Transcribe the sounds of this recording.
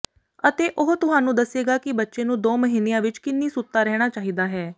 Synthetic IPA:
ət̪eːʔʊɦt̪ʊɦaːnũːd̪əsːeːɡaːkɪbətːʃeːnũːd̪oːməɦiːneːãːʋɪt͡ʃkɪnːiːsʊt̪ːaːɾɛːɽ̃aːt͡ʃaːɦiːd̪aːɦɛː

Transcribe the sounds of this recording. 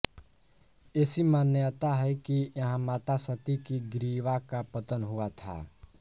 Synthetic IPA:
esimaːnjət̪aɦɛjkijɦãmaːt̪asət̪ikiɡɾiːʋakapət̪ənɦʊat̪ʰa̰

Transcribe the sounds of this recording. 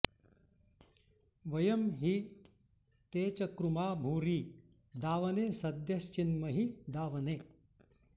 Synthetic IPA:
ʋɐjɐmɦi | t̪eːt͡ʃɐkɾumaːbʱuːɾiː | d̪aːʋɐneːsɐd̪jɐst͡ʃinmɐɦid̪aːʋɐneː

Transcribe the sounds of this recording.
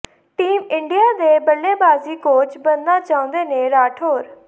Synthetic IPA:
ʈiːmɪɳɖijaːd̪eːbəlːeːbaːziːkoːt͡ʃbənnãːt͡ʃaːʊ̃ːnd̪eːnẽːɾaːʈʰɦoːɾ

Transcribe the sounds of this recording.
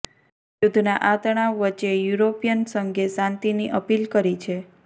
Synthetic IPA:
jud̪ʱnaʔat̪əɽ̃aʋət͡ʃejuɾopijənsəŋɡesãnt̪iniʔəpilkəɾit͡ʃʰe

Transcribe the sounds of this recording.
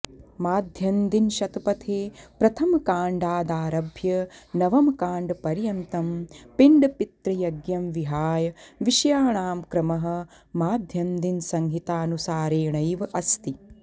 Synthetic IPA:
maːd̪ʱjɐmd̪inʃɐt̪ɐpɐt̪ʰeːpɾɐt̪ʰɐmkaːɳɖaːd̪aːɾɐbʱjɐnɐʋɐmkaːɳɖpɐɾjɐnt̪ɐmpiɳɖpit̪ɾɐjɐɡjɐmʋiɦaːjɐʋiʃɐjaːɳaːmkɾɐmɐɦɐ̆ | maːd̪ʱjɐmd̪insɐŋɦit̪aːnusaːɾeːɳɐjʋɐʔɐst̪i

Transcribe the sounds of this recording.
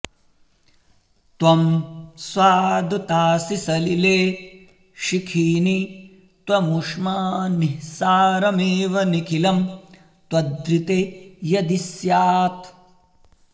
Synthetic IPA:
t̪wɐmswaːd̪ɐt̪aːsisɐlileː | ʃikʰiːni | t̪wɐmuʂmaːnihsaːɾɐmeːʋɐnikʰilɐm | t̪wɐd̪ɾit̪ejɐd̪isjaːt̪

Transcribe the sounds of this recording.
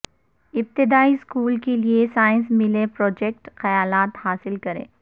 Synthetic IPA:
ɪp̚t̪ɪd̪aːiskuːlkeliesaːɪ̃nsmɪlepɾɔːd͡ʒɛk̚ʈxɐjaːlaːt̪haːsɪlkɐɾḛ̃ː

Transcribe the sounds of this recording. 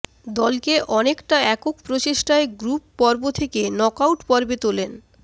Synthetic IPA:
d̪ɔlkeʔɔnekʈaɛkokpɾot͡ɕeʃʈaeɡɾupːɔɾbot̪ʰekenɔkawʈpɔɾbet̪olen

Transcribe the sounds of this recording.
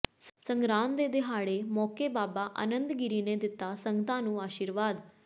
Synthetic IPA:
səŋɡɾãːnd̪eːd̪ɪɦaːɽeːmɔːkeːbaːbaːʔə̰nə̃nd̪ɡɪɾiːneːd̪ɪt̪ːaːsəŋɡət̪ãːnũːaːʃiːɾʋaːd̪

